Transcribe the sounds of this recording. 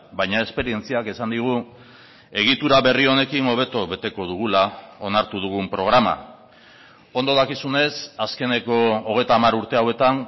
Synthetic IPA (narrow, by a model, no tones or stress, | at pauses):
bajɲae̞spe̞ɾie̞nt͡siakesand̪iɣ̞u | e̞ɣ̞it̪uɾaβe̞rio̞ne̞kino̞β̞e̞t̪oβe̞t̪e̞ko̞ðuɣ̞ulao̞naɾt̪uð̞uɣ̞umpɾo̞ɣ̞ɾama̰ | o̞nd̪oðakisune̞saske̞ne̞ko̞ːɣ̞e̞jt̪aːmaɾuɾt̪e̞awe̞t̪an